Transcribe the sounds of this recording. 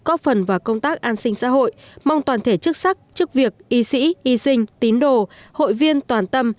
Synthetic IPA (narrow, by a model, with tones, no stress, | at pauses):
kɔ˦˥fə˨˩nvaː˨˩wkə˧wŋ͡mt̪aː˦˥k̚ʔaː˧nsï˧ŋ̟sa̰ː˧˥ɦo̰˧˨jma˧wŋ͡mt̪waː˨˩nt̪ʰe˧˩t͡ɕɨ˦˥k̚sa˦˥k̚t͡ɕɨ˦˥ək̚vi˨˩ək̚ʔi˧sḭ˧˥ʔi˧sï˧ŋ̟t̪i˨˦ənɗo˨ho̰˧˨jvi˧ənt̪waː˨˩nt̪ə˧m